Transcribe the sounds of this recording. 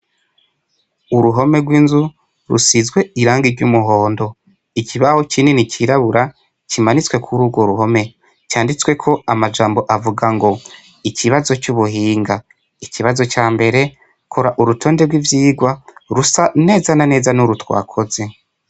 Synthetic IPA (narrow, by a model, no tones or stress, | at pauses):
uɾuɦo̞me̞ɡwiːnzu | ɾṵsizɡwe̞iɾaːŋɡiɾɟumuɦo̞ːndo̞ | icʰiβahocininiciɾaβuɾa | cimanit͡swe̞kʰuɾuːɡwo̞ɾuɦo̞me̞ | caːndit͡swe̞kʰo̞amad͡ʒaːmbo̞ʔavuɡaŋɡo̞ | iciβazo̞t͡ʃuβuɦiːŋɡa | iciβazo̞caːmbe̞ɾe̞ | kʰoɾaʔuɾutʰo̞ːndeɾɡwivjiːɡwaɾusane̞ːzanane̞ːzanuɾutwa̰ːkʰo̞ze̞